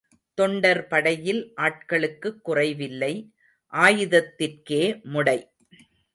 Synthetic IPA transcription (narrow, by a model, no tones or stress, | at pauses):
t̪ɔɳɖɐɾpɐɽɐjɪlʔaːʈkɐɭɯkːɯkːʊrɐɪʋɪlːɐɪ | ʔaːjɯðɐt̪ːɪrkeːmʊɽɐɪ